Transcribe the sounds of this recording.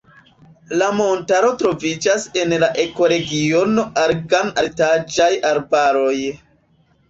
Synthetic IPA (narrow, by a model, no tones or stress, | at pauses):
lamo̞ntaɾo̞tɾo̞vid͡ʒase̞nlaʔe̞ko̞ɾe̞ɡio̞no̞ʔaɾɡanatad͡ʒajaɾbaɾo̞j